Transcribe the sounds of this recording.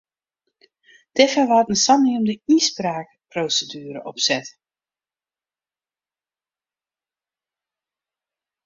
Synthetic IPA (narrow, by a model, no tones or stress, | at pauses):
d̥ɛfəʋatən̩sɑniəmdəisbraːk | prowsədyːɾəʔɔpsɛt